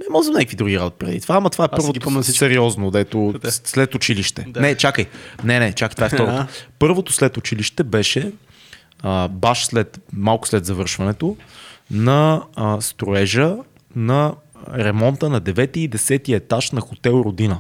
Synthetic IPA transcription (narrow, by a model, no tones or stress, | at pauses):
nɛmɔʒɛmnɛjkvid̪ɾuɡiɾad̪ot̪̚pɾɛd̪ḭt̪ovaːmɐt̪ovaɛpɤɾvot̪sɛɾiɔznod̪ɛt̪oslɛt̪ʊt͡ʃiliʃt̪ɛnɛt͡ʃakəjnɛnɛt͡ʃakəjt̪vaɛft̪ɔɾoopɤɾvot̪oslɛt̪ʊt͡ʃiliʃt̪ɛbɛʃɛ | əbaʃslɛt̪malˠkʊ̥slɛd̪zɐvɤɾʃvɐnɛt̪onɐst̪ɾoɛʒə | nɐɾɛmɔnt̪ənɐd̪ɛvɛt̪iːd̪ɛsɛt̪iɛt̪aʃnɐxot̪ɛlˠɾod̪inə